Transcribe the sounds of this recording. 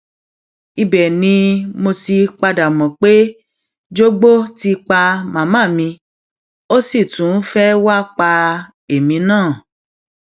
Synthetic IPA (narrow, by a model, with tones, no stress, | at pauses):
i˧bɛ˨nĩ˧mo˧si˧k͡pa˧da˨mɔ̃˨k͡pe˦ | d͡ʒo˦ɡ͡bo˦ti˧k͡pa˧mã˨mã˦˨mĩ˧ | o˦si˦˨tũ˨˦fɛ˦wa˦k͡pa˧ | e˨mĩ˨˦nãː˦˨